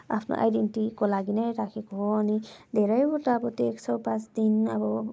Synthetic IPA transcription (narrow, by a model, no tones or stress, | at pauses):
a̰pʰnɔ̰ʔa̰jdentikɔlaɡinaɾakʰikɔɔanid̪ɛɾajbutabɔteksɔwpãsd̪inabɔ